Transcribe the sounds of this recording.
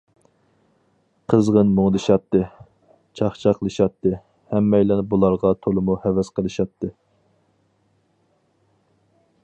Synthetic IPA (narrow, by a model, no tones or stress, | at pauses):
qʰəzʁənmoŋd̪ɨʃɑt̪ːɨ | t͡ʃʰɑχt͡ʃʰɑqʰəlˠɨʃɑt̪ʰːɨ | hɛmːɛjlɛnbulˠɑɾʁɑt̪ʰolˠɨmuhɛvɛsqʰəlˠɨʃɑt̪ʰːɨ